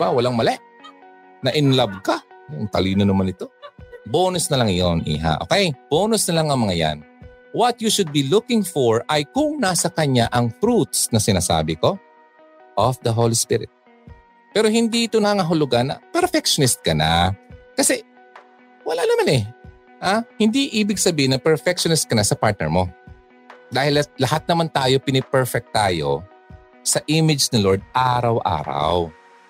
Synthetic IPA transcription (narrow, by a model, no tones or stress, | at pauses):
bawɐlaŋmɐlɛʔ | nɐʔɪnlab̚kajont̪ɐliːnonɐmanɪt̪o̞boːnosnɐlɐŋjonʔḭːɦa̰ʔo̰kɛjb̥oːnosnɐlaŋɐŋmɐŋaja̰n | wɐt̪̚juʃʊd̪̚bilʊkɪŋfoɹʔɐjkʊŋnasɐkɐɲaʔɐŋfɾut̪̚snɐsɪnaːsa̰ːbɪko̞ | ʔɔfd̪ɐɦolispɪɾɪ̰t̪̚ | pɛːɾo̞hɪnd̪iɪt̪onaŋɐɦʊlʊɡanːɐ̰pɛɾfɛkʃonɪst̪̚kɐnakɐsɛ | wɐlaʔnɐmanɛ | ʔahɪnd̪iʔiːbɪɡ̚sɐbiːhɪnɐpɛɹfɛk̚ʃonɪst̪̚kɐnasɐpaɹt̪̚nɛ̰ɹmo̞ | d̪aːhɪlɐlɐhat̪̚nɐmant̪aːjo̞pɪnɪpɛɹfɛk̚t̪ːaːjo̞̰ | sɐʔimɪd͡ʒsnɪloɹd̪̚ʔaːɾɐwʔa̰ːɾa̰w